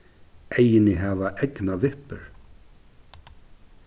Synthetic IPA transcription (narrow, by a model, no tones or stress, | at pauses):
ʔejɪnɪɦavaʔɛknavɪhpʏ̰ɾ̥